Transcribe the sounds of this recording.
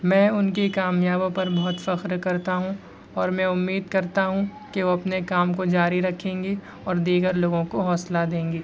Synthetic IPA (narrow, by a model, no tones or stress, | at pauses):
mɛ̃ːʊnkekaːmjaːbõpɐɾbɔɦʊt̪fɐxɾkɐɾt̪aɦũ | ɔːɾmɛ̃ʊmːiːd̪̚kɐɾt̪aɦũkeʋoɐpnekaːmkod͡ʒaːɾiɾɐkʰẽːŋɡe | ɔːɾd̪iːɡəɾloːɡõkoɦɔːslad̪ẽːŋɡiː